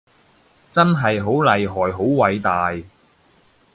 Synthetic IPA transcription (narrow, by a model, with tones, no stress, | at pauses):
t͡sɐ˥nɦɐ˨jɦo˨˥wlɐ˨jɦɔː˨˩jɦo˨˥wwɐ˨˧jt̪aː˨j